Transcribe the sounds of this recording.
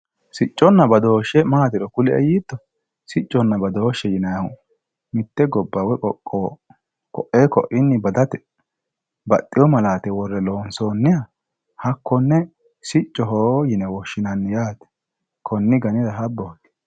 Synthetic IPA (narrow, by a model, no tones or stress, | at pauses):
sɪt͡ʃʼːɔnːɐbɐd̪o̞ːʃːɛmaːt̪ɪɾɔkʊlɛɛ̰jiːt̪ːɔ | sɪt͡ʃʼːɔnːɐbɐd̪o̞ːʃːɛjɪnɐjɐʊ | mɪt̪ːɛɡɔbːɐwɛkʼɔʔo | kɔʔeːkɔʔɪnːɪbɐd̪ɐt̪ɛ̥ | bɐt̪ʼːɪjɔmɐlaːt̪ɛwɔrːɛloːnsoːnːɪjɐ | hɐkːɔnːɛ | sɪt͡ʃʼːɔɦoːjɪnɛwɔʃːɪnɐnːɪjaːt̪ɛ̥ | kʰɔnːɪɡɐnɪdɐɦɐbːɔt̪